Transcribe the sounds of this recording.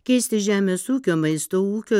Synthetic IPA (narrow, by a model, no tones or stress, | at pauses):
kʲɛɪsʲt̪ʲɪʒʲæːmʲeːsuːkʲoːmɐɪst̪oːuːkʲoː